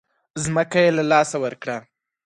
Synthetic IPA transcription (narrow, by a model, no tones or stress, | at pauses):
zməkajelalɑsawəɾkɽa